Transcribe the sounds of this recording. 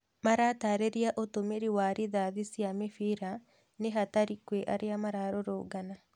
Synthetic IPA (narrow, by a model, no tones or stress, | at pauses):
maɾaːtaːɾeɾiaʔotomeɾiwaɾiðaðisjamefiɾa | neɦataɾikweʔa̰ɾeamaɾaɾoɾoːɡana